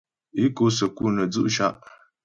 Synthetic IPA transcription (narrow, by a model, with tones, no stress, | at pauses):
i˦ko˦sɐ˨ku˦nɐ˨d͡zu˦ʔʃa˦˨ʔ